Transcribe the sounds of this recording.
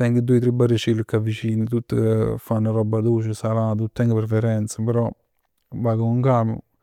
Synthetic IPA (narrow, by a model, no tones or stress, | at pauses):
t̪ɛŋɡəd̪ujt̪ɾibarit͡ʃilːəkːavːit͡ʃiːnət̪ut̪ːəfanːaɾɔbːad̪ut͡ʃɪsalaːt̪ut̪ːɛŋɡəpɾefeɾɛnt̪səpeɾɔ | baːɡəuŋkaːmṵ